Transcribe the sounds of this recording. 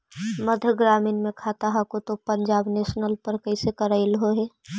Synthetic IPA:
mɐd̪ʱəɡɾaːmɪnmẽkʰaːt̪aɦakot̪opɐ̃ɲd͡ʒaːbneːʃnəlpəɾkɐɪsekəɾaɪlɦoɦɛː

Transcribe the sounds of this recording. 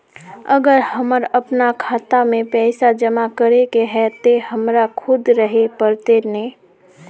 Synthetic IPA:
əɡəɾhəməɾɐpnakʰaːt̪amẽpɛːsad͡ʒəmakəɾekeɦɛt̪ehɐmɾakʰʊd̪ɾəɦepəɾt̪enẽː

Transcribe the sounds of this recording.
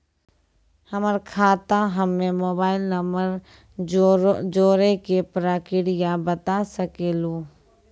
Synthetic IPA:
həməɾkʰaːt̪ãɦəmːẽmoːbaːɪlnəməɾ | d͡ʒoːɾekepɾaːkɪɽɪjabət̪asəkeːluː

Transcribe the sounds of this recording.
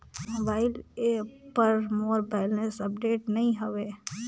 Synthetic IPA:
mobaːɪlepɐɾmoːɾbɛːɪlnesɐp̚ɖeːʈnɐĩɦoʋeː

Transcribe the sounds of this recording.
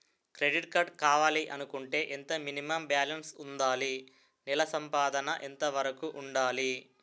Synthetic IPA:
kɾeɖiʈ̚kɐɾɖ̚kaːʋaːliʔɐnukuɳʈe̞ːʔent̪ɐminimɐmbjaːlɐnsund̪aːli | nilɐsɐmpaːd̪ɐnɐʔent̪ɐʋɐɾɐkuʔuɳɖaːli

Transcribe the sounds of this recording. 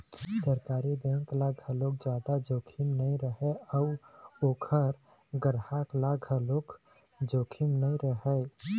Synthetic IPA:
səɾkaːɾibɛ̃ŋklaɡʱəloːk̚d͡ʒjaːd̪ad͡ʒoːkʰimnəĩɾəɦɛɔu | oːkʰəɾ | ɡəɾhaklaɡʱəlok | d͡ʒoːkʰimnəĩɾəɦɛ

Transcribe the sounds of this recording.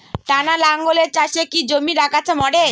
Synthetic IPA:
ʈanalaŋɡoleɾt͡ɕaʃekid͡ʑomiɾakat͡ɕʰemɔɽe

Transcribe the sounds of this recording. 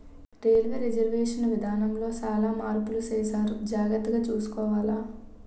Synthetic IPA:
ɾeːlʋeːɾid͡ʒɐɾʋeːʂɐnʋid̪ʱaːnɐmlo̞ːt͡ʃaːlaːmaːɾpulut͡ʃeːsaːɾud͡ʒaːɡɐt̪ːɐɡaːt͡ʃuːsu̥kɔːʋaːlaː

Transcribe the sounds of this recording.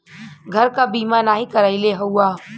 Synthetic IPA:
ɡʱəɾkabiːmanaɦikəɾaɪleɦəwa

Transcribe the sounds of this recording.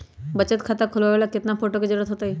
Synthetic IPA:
bət͡ʃət̪kʰat̪akʰʊlʋaʋelakɪt̪napoʈoked͡ʒəɾuːɾət̪ɦot̪aɦi

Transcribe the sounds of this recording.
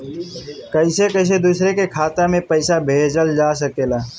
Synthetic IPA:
kəɪsekəɪs̬ed̪uːsɾekekʰaːt̪amẽpəɪsabʱeːd͡ʒəld͡ʒaːs̬əkeːlaː

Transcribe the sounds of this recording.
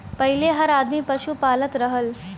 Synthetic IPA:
pəɦileɦəɾad̪miːpəɕupalət̪ɾəɦəl

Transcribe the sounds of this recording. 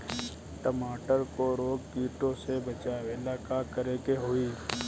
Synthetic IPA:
ʈəmaːʈəɾkoɾoːɡbiːʈõsebət͡ʃaːʋelakakəɾekeɦoiː

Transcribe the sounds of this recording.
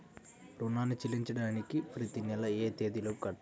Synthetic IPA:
ɾunːaːnut͡ɕilːiɲt͡ɕɐɽaːnikʲːifɾit̪inːɐlɐeːt̪eːd̪ilokɐʈː

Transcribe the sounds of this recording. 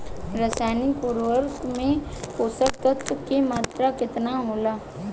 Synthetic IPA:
ɾəsaːnipuɾʋəɾkmẽkoːsək̚t̪ət̪kemaːt̪ɾakɪt̪naɦoːlaː

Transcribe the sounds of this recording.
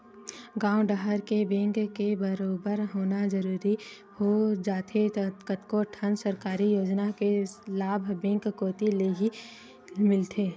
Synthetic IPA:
ɡãːʊɖəɦəɾkebẽːŋkkebəɾoːbəɾɦoːnad͡ʒəɾuːɾi | hod͡ʒaːt̪ʰet̪kət̪koʈʰənsəɾkaːɾijoːd͡ʒnakelaːbʱbɛ̃ːŋkːoːt̪ileɦi | mɪlt̪ʰeː

